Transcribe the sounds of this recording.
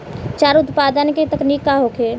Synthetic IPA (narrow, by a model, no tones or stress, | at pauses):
t͡ʃaːɾʊt̪paːd̪ənket̪əknikːaɦokʰeː